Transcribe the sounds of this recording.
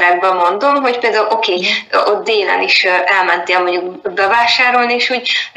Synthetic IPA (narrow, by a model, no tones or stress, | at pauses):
ɾɛɡ̚bɛmːo̞nd̪o̞mɦo̞c̚peːld̪aulʔo̞keːot̪̚d̪eːlɛ̰niʃʔɛlmɛnt̪eːlmoɲɟukbɛvaːʃaːɾo̞lnieːʃhuːɟ